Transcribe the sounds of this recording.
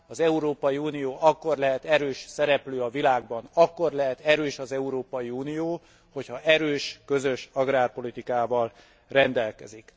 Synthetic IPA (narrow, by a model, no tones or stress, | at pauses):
ɒzɛuɾoːpɒjiuːnijoːʔɒkːo̞rlɛɦɛt̪ɛɾøːʃsɛɾɛpløːɒvilaːɡ̚bɒnɒkːo̞rlɛɦɛt̪ɛɾøːʃɒzɛuɾoːpɒjiuːnijoː | ho̞chɒʔɛɾøːʃkø̞zøʃɒɡraːrpo̞lit̪ikaːvɒl | rɛnd̪ɛlkɛ̰zik